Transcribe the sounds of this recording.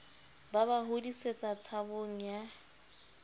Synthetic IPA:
baβaɦodiset͡sʼat͡sʰaboŋ̩ja

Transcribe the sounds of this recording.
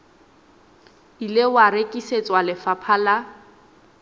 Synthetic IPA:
ilewaɾekʼiset͡sʼwalɪfapʰala

